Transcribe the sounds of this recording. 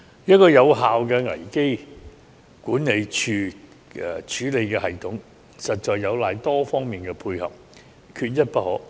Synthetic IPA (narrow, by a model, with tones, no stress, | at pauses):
jɐ˥t̚kɔː˧jɐ˨˧wɦaː˨wkɛː˧ŋɐ̰˨˩jke˥j | kuː˨˥ne˨˧jt͡ʃʰyː˨˧ | ɛ̰˨t͡ʃʰyː˨˥le˨˧jkɛː˧ɦɐ˨jt̪ʰʊ˨˥ŋ | sɐ˨t̚t͡ʃɔː˨jːɐ˨˧wlaː˨˧jt̪ɔː˥fɔː˥ŋmiː˨nkɛː˧pʰuː˧jhɐ̰˨p̚ | kʰyː˧t̚jɐ˥t̚pɐ˥t̚hɔː˨˥